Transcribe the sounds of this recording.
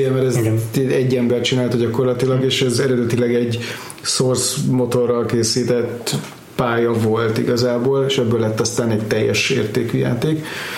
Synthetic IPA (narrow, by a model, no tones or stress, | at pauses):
ɛmɛɾɛzɛɛɟːɛmbɛrt͡ʃinaːlt̪ɛɟɒko̞rlɒt̪ilɒɡeːʃɛzɛɾɛd̪ɛt̪ilɛɡɛɟ | sorsmo̞t̪o̞rːɒlkeːsiːt̪ɛt̪ | paːjɒvolt̪ḭɡɒzaːboːleːʃɛbːøːlɛt̪ːɒst̪aːnɛc̚t̪ɛjːɛ̰ʃḛːrt̪eːkyja̰ːt̪eːk